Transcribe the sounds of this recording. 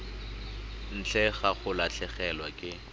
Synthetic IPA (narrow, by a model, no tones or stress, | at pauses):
n̩t͡ɬɛɣaχʊlaɬʰɛχɛlwakʼɪ